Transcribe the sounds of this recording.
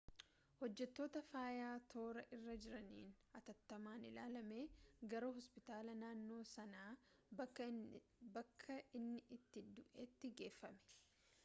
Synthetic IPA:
hɔd͡ʒːɛt̪ːo̞ːt̪ɐfaːjaːt̪ʰo̞ːɾɐʔɪrːɐd͡ʒɪɾɐnḭːn | ɐt̪ɐt̪ːɐmaːnɪlaːlɐme̞ːɡɐɾo̞ːɦɔspɪt̪aːlɐnaːnːo̞ːsɐnaː | bɐkʰːɐɪnːɪʔɪt̪ːɪd̪ʊʔeːt̪ːɪɡe̞ːfːɐmɛ̥

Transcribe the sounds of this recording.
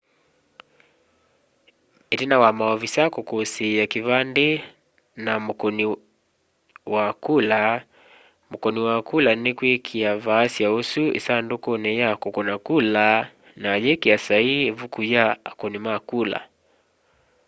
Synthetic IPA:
itinawamaɔvisakɔkɔsijakivandɛ | namukɔni | wakula | mukɔniwakulanikwikʰiavaːsiausuʔḭsandukɔnɛjakɔkɔnakula | najɛkiasaivukujaːkɔnimakula̰

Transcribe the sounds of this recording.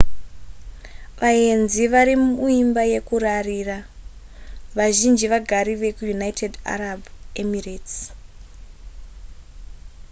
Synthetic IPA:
ʋaje̞nziʋaɾimuimbaje̞kurariːra | ʋaʒind͡ʒiʋaɡʱaɾiʋe̞kujunaitʰeda̰ɾabemirets

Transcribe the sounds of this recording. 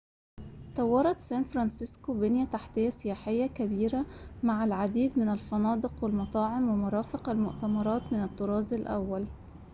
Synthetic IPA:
t̪ɑwːɑɾˤɑt̪sæːnfɾˤɑnsɪskobɪnjæt̪aħt̪ɪjːæsɪjaːħɪjːækæbiːɾæmaʕalʕad̪iːd̪mɪnælfɑnɑːd̪ɨqwɪlmɑt̪ˤɑːʕɪmwemʊɾˤɑːfɪqælmʊʔt̪æmɑɾˤɑːt̪mɪnæt̪ːoɾˤɑːzɪlʔæ̰wːæl

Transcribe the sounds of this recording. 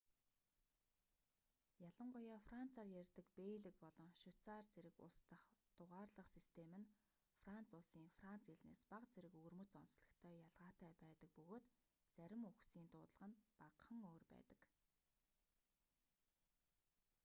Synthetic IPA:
jaɮə̆ɴɢʊjaːfran̥t͡sʰaːrjærʲt̪ɘ̆kpeːɮɘ̆k̚pɔɮɞ̆ŋʃʊt͡saːrt͡seɾɘ̆kʊ̰st̪ə̆χt̪ʊʁaːrɮə̆χsist̪ʰemɘ̆n | fran̥t͡sʊɮsiːŋfran̥t͡siɮnḛːspaqt͡seɾɘ̆kɵrmɵ̆t͡sɔnsɮə̆kt̪ʰœːjaɮʁaːt̪æːpæːt̪ə̆k̚pɵɣoːt̪ | t͡sæɾʲɪ̆muxsiːnt̪ʊːt̪ə̆ɮə̆ʁə̆npaqχə̆ŋoːrpæ̰ːt̪ə̥̆k

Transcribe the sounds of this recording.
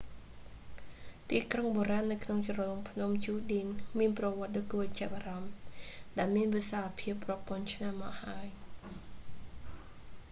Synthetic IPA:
t̪iːkroŋɓoːɾaːnːɨwkʰnoŋt͡ɕrɔːŋpʰnumt͡ɕuːɗiənmiənprɑʋŏət̪̚ɗoːkuət͡ɕɛəp̚ʔaːrɑmɗaɛlmiənʋisaːapʰiəpːrɔpŏənt͡ɕʰnamːɑːkhaəj

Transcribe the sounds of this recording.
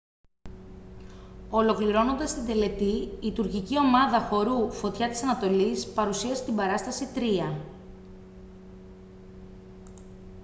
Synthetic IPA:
o̞lo̞kliɾo̞no̞nd̪ɐst̪ind̪e̞le̞t̪iːt̪uɾcicio̞mɐðɐxo̞ɾufo̞t̪çɐt̪i̥sɐnɐt̪o̞lispɐɾusiɐsit̪imbɐɾɐst̪ɐsit̪ɾiɐ

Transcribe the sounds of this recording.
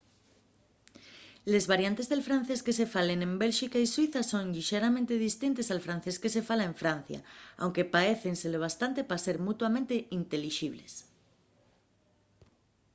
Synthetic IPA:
lezβaɾjant̪e̞zðelfɾan̟θeskesefalenẽmbelʃikaiswiθasõŋʎiʃeɾamẽnt̪eðist̪int̪esalfɾan̟θeskesefalaeɱfɾan̟θja̰a̰wŋkepaeθenseleβ̞ast̪ant̪epaseɾmut̪wamẽnt̪eint̪e̞liʃiβ̞les

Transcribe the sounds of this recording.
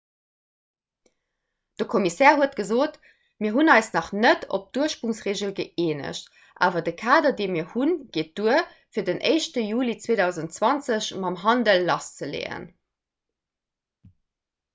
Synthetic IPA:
d̥əkʰomisɛːɐhuətɡ̥əzoːt | miːɐɦunɑɪsnɑχnətʰo̰p̚d̥uɐʃpʁuŋsʁeːʑəlɡəeːnə̰ɕt | ʔa̰ːvɐdəkʰaːdɐdeːmiːɐhunɡ̥eːt̚d̥uə | fiːɐdənʔəɪʃtəjuːlit͡sweːdɑʊzəntt͡swɑnt͡səɕmɑmɦɑndəlːɑst͡səlḛːə̰n

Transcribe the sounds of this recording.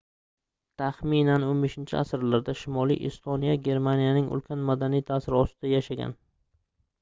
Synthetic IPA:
t̪ʰaχminanonbeʃɪnt͡ʃʰɪ̰asɪɾlaɾd̪aʃɪmɒlˠḭjʔɪ̰st̪ʰonijaɡʲe̞ɾmanijanɪŋʔʊ̰lˠkʲʰanmad̪anijt̪ʰaːsɪɾɒst̪ɪd̪ajaʃaɡʲa̰n

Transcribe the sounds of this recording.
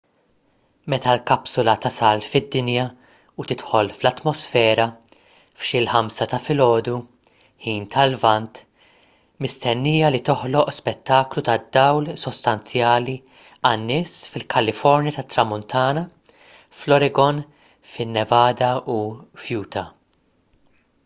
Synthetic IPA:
mɛt̪ɐlkɐpsʊlɐt̪ɐsɐlfɪd̪ːɪnjɐ | ut̪ɪt̪ħɔlflɐt̪mɔsfɛːɾɐ | fʃɪlħɐmsɐt̪ɐfɪlɔːd̪u | ħiːnt̪ʰɐlvɐnt̪ | mɪst̪ɛnːiːjɐlit̪ɔħlɔʔspɛt̪ːɐːklut̪ɐd̪ːɐwlsɔst̪ɐnt͡sjɐːli | ɐnːɪːsfɪlkʰɐlɪfɔɾnjɐt̪ɐt̪ːɾɐmʊnt̪ʰɐːnɐ | flɔɾɛɡɔn | fɪnːɛvɐːd̪ɐufjuːt̪ɐ

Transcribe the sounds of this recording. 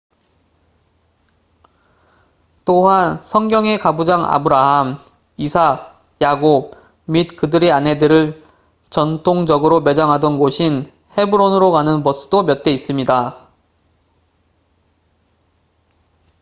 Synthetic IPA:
t͈oɦansʰʌŋɡjʌŋe̞kabud͡ʑaŋa̰bɯɾaɦam | isʰa | jaɡob̚ | mit̚kɯdɯɾiane̞dɯɾɯɭ | t͡ɕʌntʰoŋd͡ʑʌɡɯɾome̞d͡ʑaŋɦadʌnɡoɕʰin | he̞bɯɾonɯɾokanɯnpʌs͈ʰɯ̥domjʌt̚t͈e̞is͈ɯmɲida

